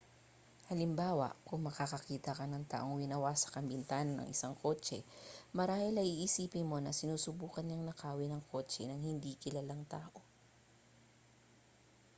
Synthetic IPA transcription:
hɐlɪmbaːwɐ̰ʔkʊŋmɐkakɐkiːt̪ɐkɐnɐŋt̪a̰ːʔoŋwɪnɐwasɐ̥kɐmbɪnt̪aːnɐnʔɐ̰ŋʔɪsaŋkʰo̞ːt͡ʃɛ̰mɐɾaːhɪlɐʔiʔisiːpɪnmo̞nɐsɪnuːsʊbuːkɐnɲɐŋnɐkaːwɪnɐŋkʰo̞ːt͡ʃɛnɐŋhɪnd̪ikɪlalaŋt̪aːʔo̞

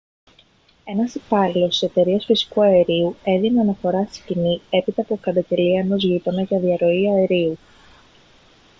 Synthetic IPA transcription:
e̞nɐsipɐlilo̞st̪ise̞t̪e̞ɾiɐsfisi̥kuɐe̞ɾiue̞ðineɐnɐfo̞ɾɐst̪i̥scinie̞pit̪ɐpukɐd̪ɐɟe̞liɐeno̞zʝit̪o̞nɐʝɐðiɐɾo̞iɐe̞ɾiu

